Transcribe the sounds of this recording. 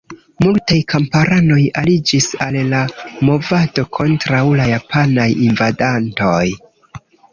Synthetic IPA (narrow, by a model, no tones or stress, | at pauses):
multajkʰampaɾano̞jalid͡ʒisallamo̞vado̞kʰo̞ntɾawlajapʰanajinvadantoj